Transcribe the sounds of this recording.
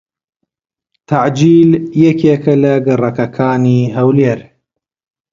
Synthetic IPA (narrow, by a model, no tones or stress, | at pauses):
t̪ʰaʕd͡ʒiːljɛkeːkɐlɐɡɨrˤɐkɐkʰaːniːɦɐwleːɾ